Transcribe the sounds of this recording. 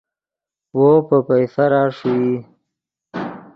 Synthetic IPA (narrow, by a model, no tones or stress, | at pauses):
wopəpajsaɾɑːʂiwi